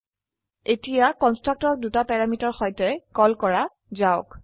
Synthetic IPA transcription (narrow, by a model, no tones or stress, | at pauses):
etijakɔnstɹak̚tɔɹ̚dutapɛɹamitɔɹxɔjtɛkɔlkɔɹa | zaʊk